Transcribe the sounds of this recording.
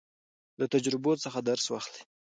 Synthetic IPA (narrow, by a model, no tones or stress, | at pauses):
lat̪ad͡ʒɾɪbosəxad̪aɾswaxli̥